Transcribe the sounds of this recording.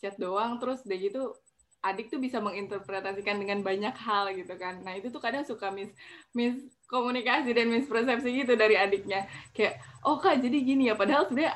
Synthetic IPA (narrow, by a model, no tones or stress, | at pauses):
t͡ʃat̪̚doaŋt̪əɾʊsdaɡit̪u | ʔadɪk̚t̪ubisaməŋint̪ərpɾet̪asikandəŋanbaɲakɦalɡit̪ukanːait̪ut̪ʊkadaŋsukamɪsmɪs | komunikasidanmɪspɾes̬ɛpsiɡit̪̬udaɾiadɪk̚ɲakajaʔʔɔhkad͡ʒadiɡinijapadaɦalsəbənaɲa